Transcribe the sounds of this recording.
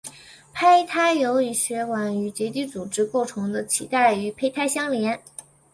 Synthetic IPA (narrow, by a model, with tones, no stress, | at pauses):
pʰa˥ɪt̪ʰa˥ɪjo˧˥ʊi˨˩ɕɥɛ˧˥kwa˧˩ny˨˩t͡ɕjɛ˧˥t̪̬i˥˩t͡su˨˩ʈ͡ʂɻ̩˥ko˥˩ʊʈ͡ʂʰʊ˧˥ŋd̪ə˧t͡ɕʰḭ˧˥t̪a˥˩ɪy˧˥pʰe˥ɪt̪ʰa˥ɪɕjɑ˥ŋljɛ˧˥n